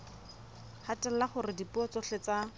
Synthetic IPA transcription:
hatʼɛl̩laχʊrɪdipuɔt͡sɔɬet͡sa

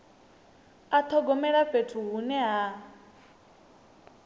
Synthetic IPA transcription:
at̪ʰɔɡɔmɛɺaɸetʰuɦunɛɦa

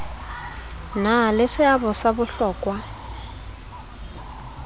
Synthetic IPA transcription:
nalɪsɪabɔsabʊɬɔːkʼwa

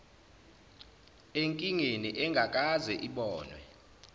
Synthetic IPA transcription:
eŋkʼiŋeniʔɛŋɡʱak̬ʼazɛʔiɓɔːnwɛ

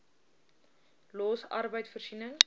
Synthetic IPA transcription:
loːsɐ̰rbəjtfərsinəŋ

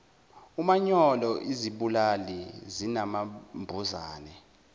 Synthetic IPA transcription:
umaɲɔlɔʔiziɓulalizinamambʱuzaːnɛ

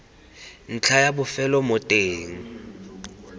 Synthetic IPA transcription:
n̩t͡ɬʰajabʊfɛlɔmʊtʼeːŋ̩

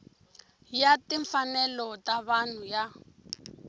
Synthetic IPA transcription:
jatiɱfanɛlɔtaβan̤uja

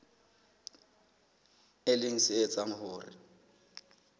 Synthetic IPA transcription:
ɪlɪŋ̩sɪet͡saŋ̩hʊːrɪ̰

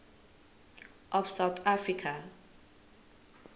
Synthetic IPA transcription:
ʔɔfsawθafɹikʰa

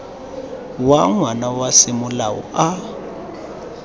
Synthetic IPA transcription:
waŋwanawasɪmʊlaɔ̰ʔa

